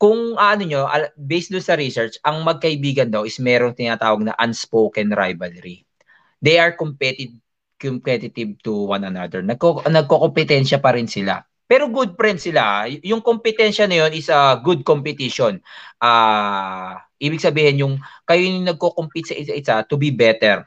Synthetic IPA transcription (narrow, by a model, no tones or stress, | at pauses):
kʊŋʔɐʔɐnoɲo̞ʔɐbɛjsd̪ʊŋsɐɾisɛɹt͡ʃʔɐŋmɐɡ̚kɐʔɪbiːɡɐnd̪ɐwɪsmɛːɾoŋt̪ɪnaːt̪aːwɐɡ̚nɐ̰ʔɐnspowkɛnɾa̰jvɐlɾi | d̪ɛjʔɐɹkompɛt̪ɪd̪̚ | kompɛt̪ɪt̪ɪv̚t̪uwanɐna̰d̪ɛɹnɐkonɐɡ̚kokompɛt̪ɛnʃɐpɐɾɪnsɪla̰ | pɛːɾo̞ɡud̪̚pɾɛnd̪̚sɪlajʊŋkompɪt̪ɛnʃɐnɐjo̞nɪsɐɡud̪̚kompɛt̪iʃonʔaː | ʔiːbɪɡ̚sɐbiːhɪnjʊŋkɐjonɪŋnɐɡ̚kokompit̪sɐʔɪɐʔɪsat̪ʊbibɛt̪ɛɹ